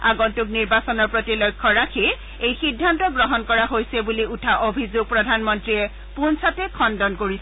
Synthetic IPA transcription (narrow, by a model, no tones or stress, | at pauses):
aɡɔntʊk̚niɹbasɔnɔɹpɹotilɔjkʰːɔɹakʰi | ejxidʱːantɔɡɹɔɦɔnkɔɹaɦojsɛbuliutʰaʔobʱizoɡ̚pɹɔdʱanmɔntɹiɛ | pʊnsatɛkʰɔndɔnkoɹisɛ